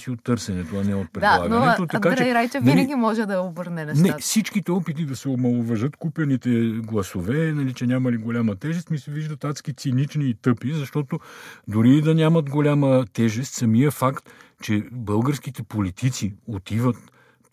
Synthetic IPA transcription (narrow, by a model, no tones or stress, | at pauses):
siot̪ːɤɾsɛnɛt̪oɐnɛot̪̚pɾɛdalˠa̰ɡ̪ɐnɛt̪ot̪ɐkat͡ʃɛjɾajt͡ʃɛiəɡʲimɔʒɛd̪ɐobɤɾnɛnɛsnɛfsit͡ʃkit̪ɛɔpit̪̬id̪ɐsɛobmɐlˠovɐʒɤt̪kupʲɐnit̪ɛɡlˠɐsovɛnɐlit͡ʃɛnʲamɐliɡolʲamɐt̪ɛʒɛst̪misɛviʒd̪ɐt̪at̪skit̪sinit͡ʃniːt̪ɤpizɐʃt̪ɔt̪od̪ʊɾiːd̪ɐnʲamɐt̪ɡolʲamət̪ɛʒɛst̪sɐmijəfakt̪t͡ʃɛbɤlˠɡəɾsk̟it̪ɛpolit̪it̪siot̪ivət̪